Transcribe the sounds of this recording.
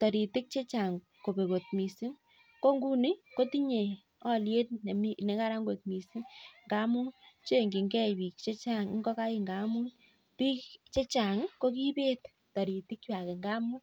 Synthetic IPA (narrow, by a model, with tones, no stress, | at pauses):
tɔ˨ɾi˨ti˦k̚t͡ʃe˦t͡ʃa˨ŋ | ko˨pe˨ko˨t̚mi˨si˦m | ko˦ŋɡu˦ni˦ko˦ti˦ɲe˨ | ɔ˦lje˦t̚ne˨mi˦ne˨ka˦ɾa˦ŋɡo˨t̚mi˨si˦mŋɡa˦mu˦t͡ʃe˦˨ŋɡi˨ŋɡɛ˦pi˨k̚t͡ʃe˦t͡ʃa˦ŋ˦ŋɡɔ˦ka˦ji˦˨ŋɡa˨˦mu˦ | pi˦kt͡ʃe˦t͡ʃa˨ŋko˦k̬i˦pe˦t | tɔ˨ɾi˨tɪ˦kwa˨ke˨ŋɡa˦mu˦